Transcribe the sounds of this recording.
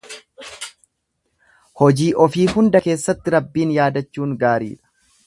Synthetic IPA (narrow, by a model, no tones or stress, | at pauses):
hɔd͡ʒiːʔɔfiːhʊnd̪ɐke̞ːsːɐt̪ːɪɾɐbːiːnjaːd̪ɐt͡ʃːuːŋɡaːɾḭːᶑɐ̥